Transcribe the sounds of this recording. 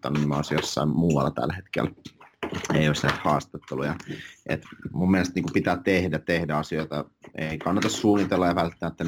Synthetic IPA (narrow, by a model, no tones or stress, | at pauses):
t̪ːɑ̰nunimo̰ˑsjosːɑ̰immuːɑ̰lːɑt̪æ̰lhet̪kḛl | eijoˑisnæit̪hɑːst̪ɑt̪ːelujɑʔḛt̪mumːiælest̪niːkupit̪æːtt̪ehdæt̪ehdæɑsioit̪ɑeikɑnːɑt̪ɑssuːnit̪elːɑjɑʋælt̪ːæmæt̪ːæn